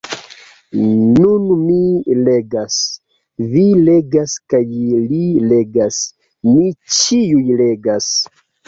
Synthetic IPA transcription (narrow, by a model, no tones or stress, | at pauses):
nunmileɡas | vile̞ɡaskajlile̞ɡas | mit͡ʃiujle̞ɡas